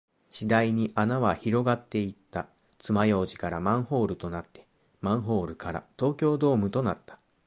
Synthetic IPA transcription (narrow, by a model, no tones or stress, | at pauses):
ɕid̪aiɲ̟iʔanaβaçiɾo̞ɡat̪ːe̞it̪ːa | t͡sɨmajo̞ːʑikaɾamãɰ̃ho̞ːɾɯ̟t̪o̞nat̪ːe̞̥ | mãɰ̃ɦo̞ːɾɯ̟kaɾa̰t̪o̞ːkʲo̞ːd̪o̞ːmɯ̟t̪o̞nat̪ːḁ